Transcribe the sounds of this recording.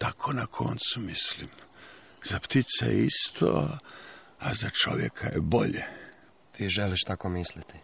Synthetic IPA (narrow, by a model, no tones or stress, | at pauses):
t̪akʰonakʰo̞nt̪sumislim | z̥apt̪it̪sejḛist̪ʰo | azat͡ʃo̞ʋjekʰajeboʎe | t̪ʰiːʒeliʃt̪akomislit̪i